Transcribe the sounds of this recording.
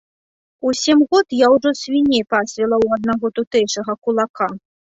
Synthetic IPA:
usʲɛmɣɔt̪jawʐɔsʲvʲinʲɛjpasʲvʲɛlˠɐwad̪̚naɣɔt̪ut̪ɛjʂɐɣɐkulˠaka

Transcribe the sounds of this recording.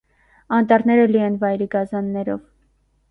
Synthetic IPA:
ɑnt̪ɑɾnɛɾəliɛnvɑjɾiɡɑzɑnːɛɾɔv

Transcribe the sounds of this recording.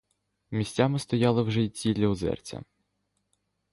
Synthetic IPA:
mʲisʲt͡sʲamɪst̪ɔjɑlˠɪwʒɛit͡sʲilʲɐʊzɛ̰rt͡sʲɐ̰

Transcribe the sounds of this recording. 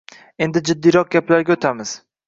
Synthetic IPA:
e̞nd̪ɪd͡ʒɪd̪ːijɾɒq̚ɡʲaplaɾɡʲaot̪ʰamɪz̥

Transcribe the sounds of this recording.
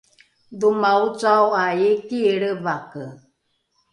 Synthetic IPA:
dumaut͡sawajekiɺəβakə

